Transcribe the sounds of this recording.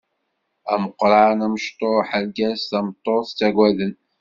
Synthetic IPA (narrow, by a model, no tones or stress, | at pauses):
æməqːɾˤɑʕnæməʃt̪ˤoħalɡæsθæmət̪ˤːoθt͡sːæɡʷwæðən